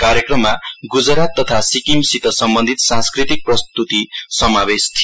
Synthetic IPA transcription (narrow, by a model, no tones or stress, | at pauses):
kaɾjekrʌmːaɡud͡zɾat̪ːʌt̪ʰasikimsit̪ʌsʌmbʌnd̪ʱit̪sãnskrit̪ik̚prʌst̪ut̪isʌmabest̪ʰi